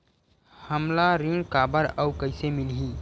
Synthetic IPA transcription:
həmlaɾɪŋkaːbəɾəʊkəɪsemɪlɦi

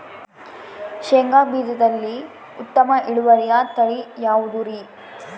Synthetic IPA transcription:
ʃeŋɡaːbiːd̪ɐd̪ɐlːi | ut̪ːɐmɐʔiɽuʋɐɾijat̪ɐɭijaːʋud̪uɾi

